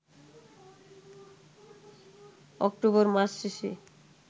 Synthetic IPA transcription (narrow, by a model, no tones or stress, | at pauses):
ɔ̰k̚ʈoβoɾmasʃeʃḛ